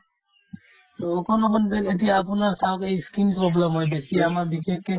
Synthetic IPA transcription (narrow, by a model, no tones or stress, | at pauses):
t̪ookɔnobɔnbenet̪iapunaɾsawkejskinpɾɔblemɦojbesiamaɾbikekːe